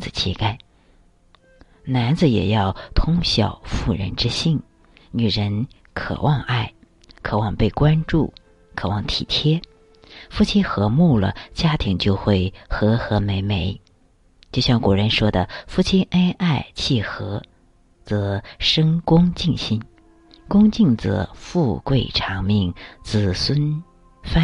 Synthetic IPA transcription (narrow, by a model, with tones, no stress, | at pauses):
t͡sɹ̩˨˩t͡ɕʰɛ̰˥˩ka˥ɪ | na˧˥nd͡zɹ̩˧jɛ̰˨˩jɑ˥˩ʊt̪ʰʊ˥ŋɕjɑ̰˨˩ʊfu˥˩ɻə̰˧˥nʈ͡ʂɻ̩˥ɕi˥˩n | ny˨˩ɻə˧˥n | kʰɤ̰˨˩wʔɑ˥˧ŋa˥˩ɪ | kʰɤ˨˩wɑ˥˧ŋpe˥˩ɪkwa˥nʈ͡ʂṵ˥˩ | kʰɤ˨˩wɑ˥˩ŋt̪ʰḭ˨˩t̪ʰjɛ˥ | fu˥˩t͡ɕʰi˥xɤ˧˥mu˥˩lə̰˩t͡ɕja˥t̪ʰi˧˥ŋt͡ɕjo˥˧ʊxwe˥˩ɪxɤ˧˥xɤ˧˥me˧˥ɪme˧˥ɪ | t͡ɕjo˥˧ʊɕjɑ˥˩ŋkwu˨˩ɻə˧˥nʂwɔ˥d̪ə˨fu˥˩t͡ɕʰi˥nʔe˥ɪʔa˥˧ɪt͡ɕʰi˥˩xɤ˧˥ | t͡sɤ˧˥ʂə˥ŋkʊ˥ŋt͡ɕi˥˩nɕi˥n | kʊ˥ŋt͡ɕi˥˩ŋt͡sɤ̰˧˥fu˥˧kwe˥˩ɪʈ͡ʂʰɑ˧˥ŋmi˥˩ŋt͡sɹ̩˨˩swə˥n | fa˥